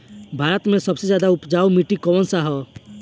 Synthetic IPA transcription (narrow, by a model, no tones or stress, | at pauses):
bʱaɾət̪mẽsɔbsed͡ʒjad̪aupd͡ʒaumiʈikɔwɔnsaɦɔ